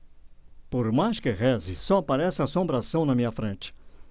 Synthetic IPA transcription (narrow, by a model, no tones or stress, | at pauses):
poɾmajskɪʁɛzɪsɔapaɾɛsɪasõmbɾasɐ̃w̃nɐmĩɲɐfɾẽnt͡ʃɪ̥